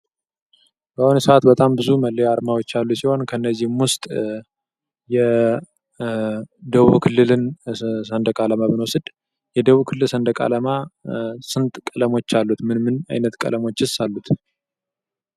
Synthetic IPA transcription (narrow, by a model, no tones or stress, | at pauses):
kəhunsəat̪bət̪ʼambɨzuməlːeaɾmawo̞t͡ʃːalːusiho̞nkʰənːəzːihmwʊst̪ʼ | jɛ | d̪əβukʰɨlːɨlɨnsənd̪əkʼaləmabɨnwosɨd̪ | jɛd̪əβukʰɨlːɨlsənd̪əkʼa̰ləma | sɨnt̪ʼkʼələmo̞t͡ʃːalːut̪mɨnmɨna̰jnət̪kʼə̰lʔəmo̞t͡ʃːɨsːalːut̪